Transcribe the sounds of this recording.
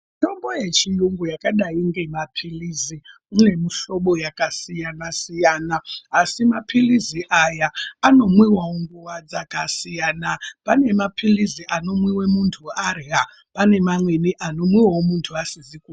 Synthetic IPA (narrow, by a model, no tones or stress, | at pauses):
to̞mbo̞jet͡ʃijuŋɡujakaɗaiŋɡe̞mapʰilizi | une̞miʃo̞ɓo̞jakasijanasijaːnaːsimapʰiliziʔajaːno̞mwiwawoŋɡuwad͡zakasijaːnapane̞mapʰiliziʔano̞mwiwemuntʰuarɦa | pane̞mamweniʔano̞mwiwaomuntʰuasiziku